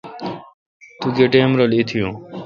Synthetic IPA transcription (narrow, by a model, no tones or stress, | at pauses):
t̪uɡeʈeːmɾolit̪ʰijũː